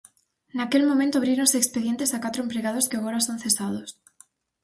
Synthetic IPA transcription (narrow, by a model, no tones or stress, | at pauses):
nakelmõmẽnt̪oaβɾiɾonsekspeðje̞nt̪esakat̪ɾoempɾeɣað̞oskeaɣoɾasonθesað̞os